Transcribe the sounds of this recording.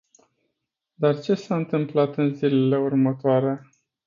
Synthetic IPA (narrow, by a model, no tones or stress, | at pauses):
d̪art͡ʃe̞saɨnt̪ɨmplat̪ɨnzile̞le̞urmət̪oaɾe̞